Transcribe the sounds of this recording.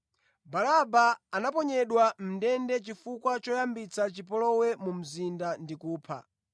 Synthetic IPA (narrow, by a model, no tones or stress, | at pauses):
balabaːnapɔɲɛɗwam̩ndɛndɛt͡ʃifukwat͡ʃɔjambit͡sat͡ʃipɔlɔwɛmum̩zindandikuːpʰa̰